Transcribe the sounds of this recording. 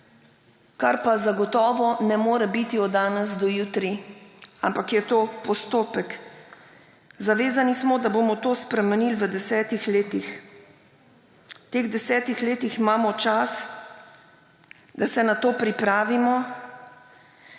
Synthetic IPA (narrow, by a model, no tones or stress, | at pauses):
kaɾpazaɡɔt̪ɔːʋɔnɛmoːɾɛbit̪iɔaːnɛzd̪ɔjuːt̪ɾiampakjɛt̪oːpɔst̪oːpɛk | zaʋeːzanismɔd̪abomɔt̪oːspɾɛmɛniːlʋəd̪ɛsɛːt̪ixleːt̪ix | t̪eːɣd̪ɛsɛːt̪ixleːt̪iximaːmɔt͡ʃas | d̪asɛnat̪oːpɾipɾaːʋimɔ